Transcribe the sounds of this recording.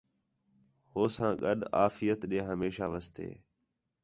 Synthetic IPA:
hoːsãːɠəɗaːfɪjət̪ɗẽːɦəmeːʃaːʋəst̪ḛː

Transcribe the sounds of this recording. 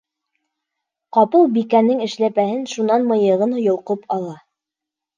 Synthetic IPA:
qɑpɤlˠbikænːɘŋɘ̆ʃlæpæhɘnʃunɑnmɤ̆jɤ̆ʁɤnhŏjŏlˠqɤpʰɑlˠɑ

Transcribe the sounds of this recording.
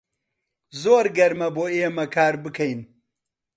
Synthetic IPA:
zoːɾɡɐɾmɐboejemɐkʰaːɾbɨkʰɐjin

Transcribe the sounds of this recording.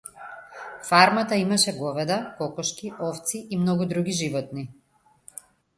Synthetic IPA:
faɾmat̪aimaʃɛɡɔvɛd̪akɔkɔʃkiʔɔft̪siʔimnɔɡud̪ɾuɡiʒivɔt̪̚ni

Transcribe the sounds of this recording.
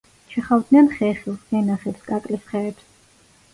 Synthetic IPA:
t͡ʃʰɛχavwd̪niɛnχɛχilˠɛnaχɛpskʼakʼlisχɛːɾt̪ʰ

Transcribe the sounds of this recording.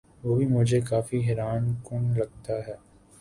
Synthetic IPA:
ʋoːbʱimʊd͡ʒʱekaːfiɦɛɾaːnkʊnlɐɡ̚t̪aɦɛː

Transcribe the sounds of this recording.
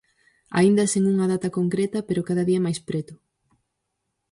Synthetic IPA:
a̰ind̪ɐseŋuŋɐðat̪ɐkoŋkɾet̪ɐpeɾokaðɐðiɐmajspɾet̪ʊ

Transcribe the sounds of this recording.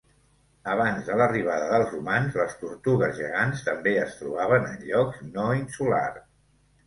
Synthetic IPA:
əβ̞anzðələriβ̞aðəðəlˠzrumanzləst̪uɾt̪uɣəzʒə̰ɣanst̪əmbeəst̪ɾuβ̞aβ̞ənə̰nʎɔknoinsula̰r

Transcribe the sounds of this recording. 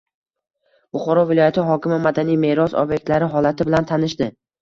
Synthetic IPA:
bʊχɒɾɒvɪlˠɒjat̪ʰɪɦɒkʲɪmɪmad̪anijme̞ɾɒsɒ̰bjek̚ʲt̪laɾɪɦɒlˠat̪ʰɪbɪlant̪ʰanɪʃd̪ɪ

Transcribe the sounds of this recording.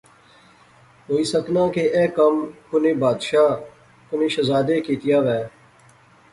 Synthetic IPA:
ɦoːiːsəknãːkeːʔɛːkəmkʊnẽːbaːd̪ʃaː | kʊnẽːʃəzaːd̪eːkiːt̪ɪjaːʋɛː

